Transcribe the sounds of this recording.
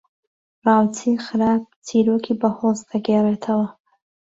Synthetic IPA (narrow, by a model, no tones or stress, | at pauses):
rɑːwt͡sʰixɨɾaːp̚tʰiːɾokʰiːbɐhozd̪ɐɡereːt̪ʰɐwɐ